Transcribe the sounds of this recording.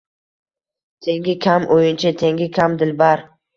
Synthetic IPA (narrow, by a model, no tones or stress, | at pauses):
t̪ʰe̞ŋɡʲɪkʲʰamʔojɪnt͡ʃʰat̪ʰeŋɡʲɪkʲʰamd̪ɪlbaɾ